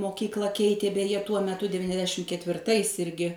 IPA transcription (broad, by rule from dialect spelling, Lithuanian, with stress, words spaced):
moːˈkʲiːklˠɐ ˈkʲɛɪtʲeː bʲɛˈjɛ tuɔ mʲɛˈtʊ dʲɛʋʲɪnʲɛzʲˈdʲæːʃʲɪm kʲɛtʲʋʲɪrˈtɐɪs ˈɪrʲɡʲɪ